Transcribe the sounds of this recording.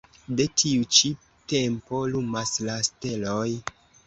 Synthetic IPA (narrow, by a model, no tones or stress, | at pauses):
de̞tʰiut͡ʃi | te̞mpo̞lumaslaste̞loj